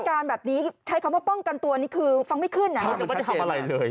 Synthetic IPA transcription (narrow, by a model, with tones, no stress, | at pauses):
kaː˧nbɛː˨˩p̚niː˦˥t͡ɕʰa˦˥jkʰa˧˦wa˥˩pɔ˥˩ŋka˧nt̪u˧niː˦˥kʰɯː˧fa˧ŋma˥˩jkʰɯ˥˩nːa˦a˦a˥˩mː˥˩˥t̪ʰa˧˩˧ʔa˧ɾa˧jlɤː˧j